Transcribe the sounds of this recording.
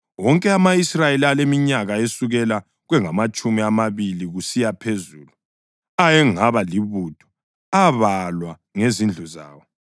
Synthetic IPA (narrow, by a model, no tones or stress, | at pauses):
wɔŋkʼɛamaisrajelialemiɲaɣaesuɣɛla | ɣwɛŋamat͡ʃʼumiamaβiliɣusijapʰezuːlu | ajɛŋaβaliβud̥ʱɔ̥ | aβalwa | ŋezind͡ɮʱuza̰ːwɔ